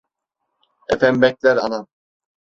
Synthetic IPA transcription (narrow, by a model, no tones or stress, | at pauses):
ḛfæmbɛk̚ʲlʲæɾa̰na